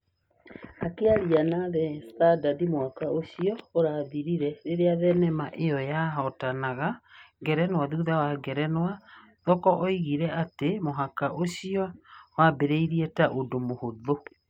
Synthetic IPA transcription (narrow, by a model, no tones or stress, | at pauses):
akeaɾianaðɛstadaðimohakaoɕiɔoɾaðiɾiɾɛɾeɾeaðɛnɛmaʔejɔjaɦɔtanaɣaɡɛɾɛnwaðuðawaɡɛɾɛnwa | ðɔkɔʔɔiɣiɾɛatemoɦakaʔoɕiɔwabeɾeiɾiɛtaʔodomohoðo